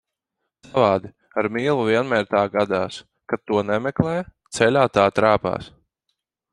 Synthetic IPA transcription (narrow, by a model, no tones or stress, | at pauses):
savɑːd̪i | aɾmiːlˠuvʲiɛnmʲɛːɾt̪aːɡad̪aːs | katt̪ːuɔnɛmɛklˠɛjt̪sɛlʲaːt̪aːt̪ɾaːpa̰ːs